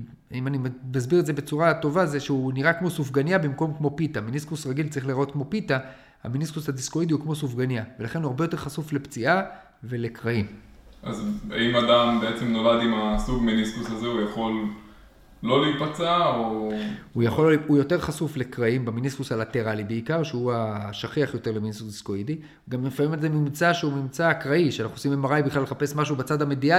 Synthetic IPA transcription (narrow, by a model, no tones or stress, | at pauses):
imanimmazbiʁetdzebet͡suʁato̞vazeʃeuniʁakmo̞sufɡanjabimko̞mkmo̞pit̪aminiskusʁaɡilt͡saʁiχliʁot̚kmo̞pita | a̰miniskusadiskoid̪iukmo̞sufɡanjave̞laχe̞nuaʁbejote̞χasufle̞pt͡sia | ve̞le̞kʁaim | azaimadambeet͡semno̞lad̪imasuɡminiskusazeujaχo̞lː | o̞leipat͡saoujaχo̞lujo̞te̞ʁχasufle̞kʁaimbaminisusalat̪e̞ʁalibeikaʁʃeuaʃaχiaχjo̞t̪e̞ʁleminisusskoid̪i | ɡamefamimalzemimt͡saʃeumimt͡saːkʁaiʃeanaχnuosimemaʁajbiχlaleχape̞smaʃ̬ubat͡sad̪hamed̪ia